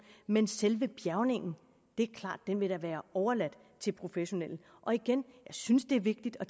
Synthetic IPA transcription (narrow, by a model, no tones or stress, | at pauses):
menselʋəb̥jæɐʊne̝ŋ̰n̩ | d̥e̝æɐkʰlɑ̰̈ːd̥ːenʋe̝ɾ̥ɑ̈ʋæːɐɒʊɐlæd̥ | t͡sʰe̝lpʰʁo̝feɕo̝nel̰n̩ | ʔɒ̽iɡ̥enjɑ̈ɪsynsd̥e̝ɐʋe̝ɡ̥̚d̥id̥ɒ̽